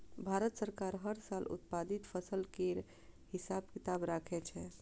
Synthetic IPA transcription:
bʱaɾət̪səɾkaɾɦəɾsalṵt̪̚pad̪it̪pʰəsəlkeɾ | hisabkit̪abɾakʰɛt͡ʃʰɛ

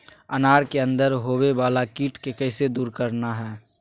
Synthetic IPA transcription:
ənaːɾkeə̃nd̪əɾɦobebaːlakiːʈkekɛɪsed̪uːɾkəɾnaɦɛː

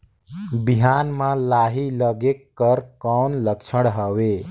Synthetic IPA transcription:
biɦanmãlaɦiləɡekːəɾkɔnləkt͡ʃʰəɽɦəwe

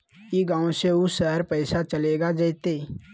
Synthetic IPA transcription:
jiɡãːw̃seʊsʃəɦəɾpɛɪsat͡ʃəleːɡad͡ʒəɪt̪eː

